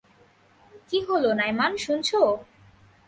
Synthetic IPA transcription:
kiɦolonajmanʃunt͡ɕʰo

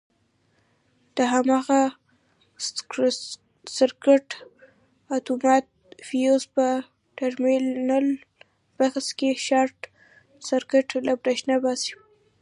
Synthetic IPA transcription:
d̪̥əɦamɑɣa | saɾkɪʈ | at̪umɑt̪̚fijozpə | ʈaɾmelnal | b̥axskeʃɑɾʈ | saɾkɪʈlabɾaʃnabɑsi̥

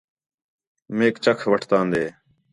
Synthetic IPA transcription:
meːkt͡ʃəkʰʋəʈʰt̪ãːnd̪eː

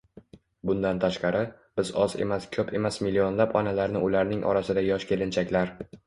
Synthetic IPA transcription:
bʊnd̪ant̪ʰaʃqɑɾɪ | b̥ɪzɒze̞̰maskʲʰɵpʰe̞masmilːio̞nlapɒnalaɾnɪʔʊlaɾnɪŋʔɒ̰ɾasɪd̪ajɒʃkʲʰe̞lɪnt͡ʃʰakʲlaɾ

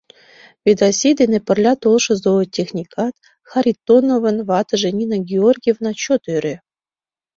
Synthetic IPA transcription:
vʲed̪ɑsʲid̪enepɘ̆rlʲɑt̪olˠʃɤ̆zoɤ̆tʲexnʲikʰɑt̪ | xɑɾʲit̪ːonovɤ̆nvɑt̪ɤ̆ʒenʲinɑɡʲiorʲɡʲijevnɑt͡ɕot̪øɾʲe

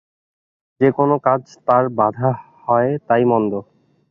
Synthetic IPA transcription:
d͡ʑekonokad͡ʑt̪aɾbad̪ʱa | hɔet̪ajmɔnd̪o

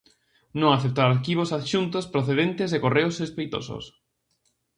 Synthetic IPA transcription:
nõŋaθep̚t̪aɾaɾkiβosaðʃunt̪ospɾoθeðent̪ɪzðekoreʊsrespejt̪o̰so̰s

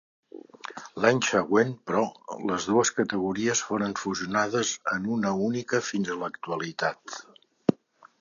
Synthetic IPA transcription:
laɲsəɣwenpɾɔləzðuəskət̪əɣ̞uɾiəsfoɾəɱfuziunaðəzənunəunikəfinzələkt̪uəlit̪at̪

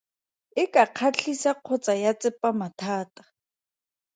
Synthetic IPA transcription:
ɪkaq͡χʰat͡ɬʰisaq͡χʰɔt͡sajat͡sʼɪpʼamatʰaːtḁ

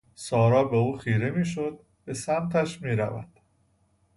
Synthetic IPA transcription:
sɒːɾɒːbe̞uːxiːɾemiːʃod̪̚ | b̥e̞sæmt̪ʰæʃmiːɾæ̰væ̰d̪̥

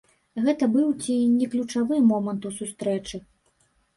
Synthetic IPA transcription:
ɣɛt̪ɐbɨwt͡sʲinʲɛklʲut͡ʂavɨmɔmɐnt̪usust̪ɾɛt͡ʂɨ

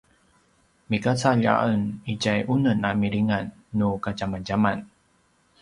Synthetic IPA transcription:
mikat͡saʎa̰ənid͡ʑajʔunənamiɾiŋanː | ukad͡ʒamand͡ʑaman

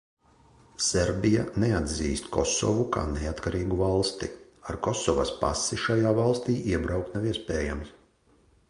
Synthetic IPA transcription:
seɾbʲijanead̪ziːst̪kʰɔsɔ̰vuka̰ːneat̪kaɾiːɡuvalˠst̪i | aɾkɔsɔvaspa̰siʃajaːvalˠst̪iːʔiɛbɾawk̚t̪naviɛspɛːjams

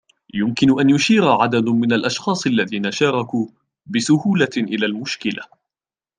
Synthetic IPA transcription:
jʊmkɪnʊʔanjʊʃiːɾʕad̪ad̪mɪnalʔɑʃxɑːsˤʔalːaðiːnaʃɑːɾˤɑkuː | bɪsʊhuːlaʔɪlaːlmʊʃkɪla̰

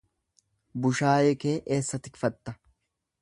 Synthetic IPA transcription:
bʊʃaːjɛke̞ːʔeːsːɐt̪ɪkfɐt̪ːɐ

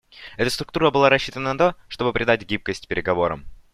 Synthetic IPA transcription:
ɛt̪əst̪ɾʊkt̪uɾəbɨlˠaɾɐɕːit̪ənənɐt̪o̞ʂt̪o̞bɨpɾʲɪd̪atʲɡʲip̚kəsʲtʲpʲɪɾʲɪɡɐvo̞ɾə̰m

